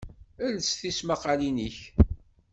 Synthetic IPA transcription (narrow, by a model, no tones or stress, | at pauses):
ælsθismaqɑliniç